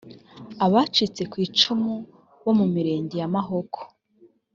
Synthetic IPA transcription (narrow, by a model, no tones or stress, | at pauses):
aβaːt͡ʃit͡se̞kwiːt͡ʃumu | βo̞mumiɾe̞ːɲɟijamaɦo̞kʰo̥